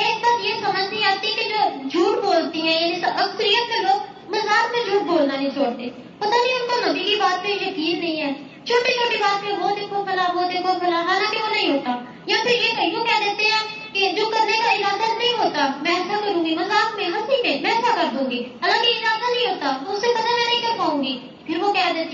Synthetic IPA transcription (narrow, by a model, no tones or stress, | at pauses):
ɛːsbaːsjeːsəməd͡ʒnĩːaːt̪iked͡ʒoːd͡ʒuːɾboːlt̪ĩːɦɛ̃ːjãːnĩsʔəksɾiːət̪̚keːloːɡ | məzaːkmẽːd͡ʒuːɾ̚boːlnaːnĩːt͡ʃoːɽt̪eː | pət̪ãːd͡ʒiːʊnt̪oːməniːkiːbaːt̪̚pẽd͡ʒəkiːɾnə̃ĩːɦɛː | t͡ʃʰoːʈeːt͡ʃʰoːʈeːbaːt̪mẽbɔːt̪eːkʰoɾkʰəlaːboːt̪eːkʰoɾpʰəlaːɦaːlãːkeoːnəĩːɦoːt̪aː | jãːpʰɪɾjeːbʱəijõːkɛːd̪eːt̪eɦɛ̃ː | ked͡ʒoːkəɾnekaɪlaːd̪anəɦĩːɦoːt̪aːmɛ̃ːɛːsakəɾũːɡiːməzaːkmẽɦə̃siːnẽmɛ̃ːɛːsakəɾd̪ũːɡiːɦəlãːkeeɪlaːd̪anə̃ɦĩɦoːt̪aːt̪oʊsepɐt̪aːmɛ̃ːnə̃ɦĩːkəɾpaːũːɡiː | pʰɪɾʋoːkɛːd̪eːt̪e